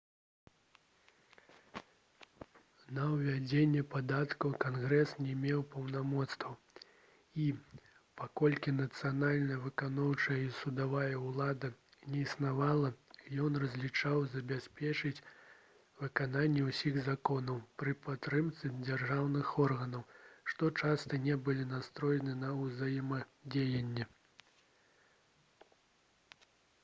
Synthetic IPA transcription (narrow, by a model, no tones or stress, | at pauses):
nɐwvʲad͡zʲenʲːɛpad̪at̪kɐwkanɣɾɛsnʲɛmʲɛwpɐwnamɔt̪st̪vɐ | i | pakɔlʲkʲinɐt̪sɨjanalʲnɐjɐvɨkanɔwt͡ʂɐjɐisud̪avajɐwlˠad̪ɐnʲɛisnavalˠɐjɔnrɐzʲlʲit͡ʂawzɐbʲasʲpʲɛt͡ʂɨt͡sʲ | vɨkananʲːɛwsʲiɣzakɔnɐwpɾɨpat̪ːɾɨmt̪sɨd͡zʲarʐawnɨxɔrɣɐnɐwʂt̪ɔt͡ʂast̪ɐnʲɛbɨlʲinast̪ɾɔjɛnɨnɐuzajɛmɐd͡zʲejɐnʲːɛ